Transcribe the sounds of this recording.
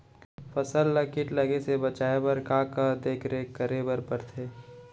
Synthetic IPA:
pɐsəlːəkɪʈlɐɡesebɐt͡ʃaːebəɾkaːkad̪eːkʰɾekəɾebəɾpəɾt̪ʰeː

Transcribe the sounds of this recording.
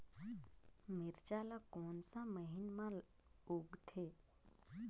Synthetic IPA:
mɪɾt͡ʃaːlakoːnsãməɦɪnmã | uɡt̪ʰeː

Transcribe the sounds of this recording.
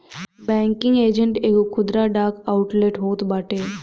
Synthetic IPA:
bɛ̃ːŋkɪ̃ŋɡeːd͡ʒəɳʈeːkokʰʊd̪ɾaɖaːkaʊʈleʈɦoːt̪baːʈeː

